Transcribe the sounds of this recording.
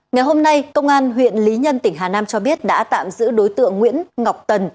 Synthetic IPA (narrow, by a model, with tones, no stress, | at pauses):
ŋa˨˩jɦo˧mna˧jkə˧wŋ͡mʔaː˧nɦwḭ˧˨ənli˨˦ɲə˧nt̪ï˧˩ŋɦaː˨˩naː˧mt͡ɕɔ˧ɓi˦˥ət̚ɗa̰ː˧˥t̪a̰ː˧˨mzɨ̰˧˥ɗo˨˦jt̪ɨ̰˧˨əŋːwḭ˧˥ənŋa˨˩wk͡p̚t̪ə˨˩n